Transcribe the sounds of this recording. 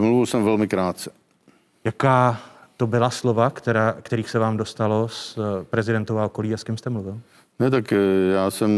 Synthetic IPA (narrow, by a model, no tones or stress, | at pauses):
mluvɪlsɛmvɛlmɪkɾaːt̪̚t͡sɛ̥ | jakaːt̪o̞bɪlaslo̞vakt̪ɛɾaːkt̪ɛɾiːxsɛvaːmdo̞st̪alo̞spɾɛzɪdɛnt̪ovaʔoko̞liːaskɛmst̪ɛmluvɪl | nɛt̪̬akjaːsɛm